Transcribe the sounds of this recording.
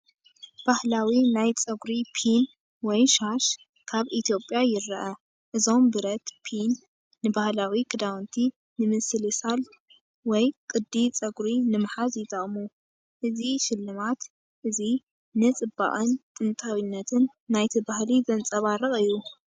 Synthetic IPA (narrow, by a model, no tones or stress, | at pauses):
b̥ahlawinajt͡sʼɐɡɾipʰin | wɔjʃaʃ | kʰaβʔit̪ʰijo̞pʼːjajɪɾːɐʔɐ | ʔɨzo̞mbɨɾɐt̪pʰinː | ɨbahlawikʰɨd̪awnt̪ʰi | nɨmɨsɨlisal | wɔjkʼɨd̪ːit͡sʼɐɡɾinɨmħazjɪt̪ʼːɐχʼmu | ʔɨziʃɪlːɨmat̪ | ʔɨzi | nɨt͡sʼɨbːa̰ʔʼɐnt̪ʼɨnt̪ʼʰawinːɐt̪ʰɨnːajt̪ʰɨbahlizɐnt͡sʼɐβaɾɐχʼɨjːu